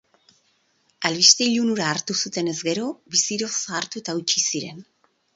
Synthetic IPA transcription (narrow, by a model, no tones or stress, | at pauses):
alβiʃt̪eiʎunuɾaːɾt̪usut̪e̞ne̞zɡe̞ɾo̞βisiɾo̞saːɾt̪ut̪aut͡ʃisiɾe̞̰n